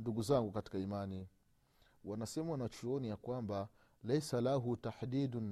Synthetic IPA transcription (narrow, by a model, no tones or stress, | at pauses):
nduɡuzaŋɡukati̥kaimani | wanasɛmawanat͡ʃuɔnijakwamba | lɛjsalaɦutaħd̪iːdn